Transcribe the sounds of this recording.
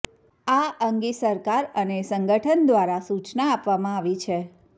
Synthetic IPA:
aəŋɡisəɾkaɾənesəŋɡəʈʰənd̪ʋaɾasut͡ʃnaːpʋamãaʋit͡ʃʰe

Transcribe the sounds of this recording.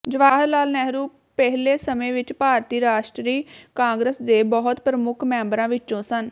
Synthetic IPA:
d͡ʒəʋaːɦəlaːlnɛɦɾuː | pɛɦleːsəmẽːʋɪt͡ʃpaːɾt̪iːɾaːʃʈɾiːkãːŋɡɾəsd̪eːbɔːʊt̪pɾəmʊkʰmɛ̃ːmbɾãːʋɪt͡ʃːõːsən

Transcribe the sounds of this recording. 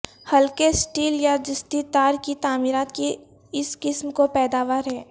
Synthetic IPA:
hɐlkesʈiːljad͡ʒɪst̪it̪aːɾkit̪aːmiːɾaːt̪ki | ɪskɪsmkopɛːd̪aːʋaːɾɦɛː

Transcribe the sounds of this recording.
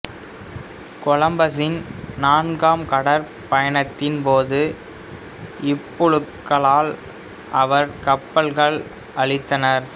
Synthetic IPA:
kɔlɐmbɐs̬ɪnnaːnɡaːmkɐɽɐɾ | pɐjɐnɐt̪ːɪnpoːðɯ | ɪpːɔɻɯkːɐɭaːl | ʔɐʋɐɾkɐpːɐɭɣɐɭ | ɐɭɪt̪ːɐnɐɾ

